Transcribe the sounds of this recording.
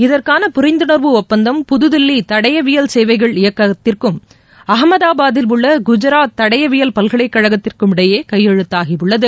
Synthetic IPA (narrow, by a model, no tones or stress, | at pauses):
ɪðɐrkaːnɐpʊɾɐɪnd̪ɯɳɐɾʋɯɔpːɐnd̪ɐmpʊðɯðɪlːit̪ɐɽɐjɐʋɪjɐlsɛjʋɐɪɣɐɭɪjɐkːɐt̪ːɪrkɯm | ɐɦɐmɐðaːbaːðɪlɯɭːɐɡʊd͡ʒɐɾaːɐɽɐjɐʋɪjɐlpɐlɣɐɭɐɪkːɐɻɐɣɐt̪ːɪrkɯmɪɽɐjeːkɐjːɛɻɯt̪ːaːɣiɯɭːɐðɯ